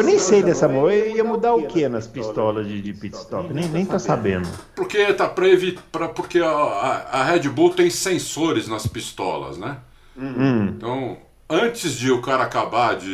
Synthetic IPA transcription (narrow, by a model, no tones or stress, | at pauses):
ewnẽj̃sejd̪ɛsɐmoeiɐmud̪aɾʊkʰenɐspist̪ɔlɐzd͡ʒɪd͡ʒɪpit͡ʃ̪ɪ̥st̪ɔkɪnẽj̃nẽj̃t̪osabḛ̃nd̪ʊpoɾket̪apɾɐevit̪pɾɐpoɾke | ɐhɛd͡ʒɪbut̪ẽj̃sẽsoɾɪznɐspist̪ɔ̰lɐ̰znɛ̃ | t̪ɐ̃w̃ | ɐ̃t͡ʃɪzd͡ʒɪʊkaɾɐakabaɾd͡ʒɪ